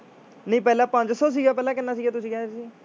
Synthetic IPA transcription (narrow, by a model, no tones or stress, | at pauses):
nəĩːpɛːlãːpə̃ɲd͡ʒsɔːs̬iːɡaːpɛːlaːkɪnːaːs̬iːɡaːt̪ʊsĩːkɛːɾsiː